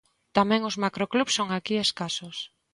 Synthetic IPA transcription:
t̪amɛ̃ŋʊzmakɾoklupsːoŋakieskasos

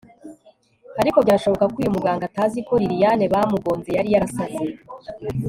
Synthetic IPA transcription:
aɾiko̞bɟaːʃo̞βo̞kakwuːjomuɡaːŋɡataːziko̞ɾiɾijane̞βamuɡo̞ːnzejaɾijaɾasabze

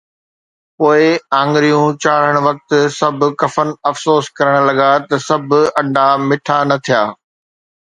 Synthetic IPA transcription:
poːɪãːŋɡɾijũt͡ɕaːɽ̤əɽ̃ʋɐk̚t̪sɐbʱʊ̆kɐfənɐfsoːskɐɾəɽ̃lɐɠat̪ɐsɐbʱʊɐ̃ɳɖʱamɪʈʰanɐt̪ʰijaː

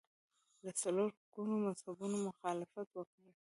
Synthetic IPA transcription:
d̪əsaloɾhkunomazhabunomʊxɑlɪfat̪wəkəɽə

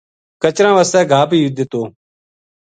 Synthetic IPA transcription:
kət͡ʃɾãːʋaːst̪ɛːɡʱaːpiːɪd̪ɪt̪oː

